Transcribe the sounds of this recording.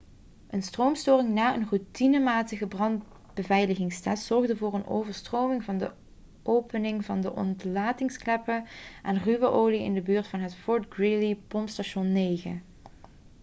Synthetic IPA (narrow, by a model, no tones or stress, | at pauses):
ʔənstrowmstoːɹrɪŋnaːənrutinəmaːtəɣəbrɑnd | b̥əvɛjləɣɪŋstɛtsɔɹɣdəvʊːɹənʔo̰wvəɹstrowmɪŋvɑndə̰ | ʔowpənɪŋvɑndəʔɔ̰ntlaːtɪŋsklɛpəʔɛnryʋəʔoːliɪ̰ndəbyːɹtfɑnɦətfɔɹdɡɹilipɔmpstaʃɔnːeːɣə̰